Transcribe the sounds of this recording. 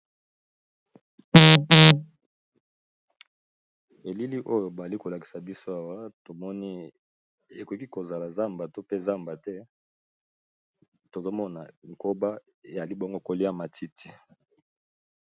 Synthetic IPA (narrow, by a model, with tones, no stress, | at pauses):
e˨li˦li˦ʔo˦jo˨ba˨a˨li˦ko˨la˨ki˨sa˨bi˦so˦a˨wa˦to˨mɔ˦ni˦ | e˨ko˨˦ki˦ko˨za˨la˨za˦mba˨to˦pe˦za˦mba˨tɛ˦ | to˨zo˦mɔ˦na˨ŋ̩˨ko˦ba˦ | e˨ja˨li˦bo˦ŋɡo˦ko˦li˦a˨ma˨tʰi˦tʰi̥˨